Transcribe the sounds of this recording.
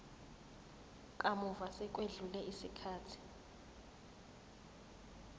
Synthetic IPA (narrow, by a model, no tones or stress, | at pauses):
kʼamuvasɛk̬ʼweɮulɛʔisikʰaːtʰi̥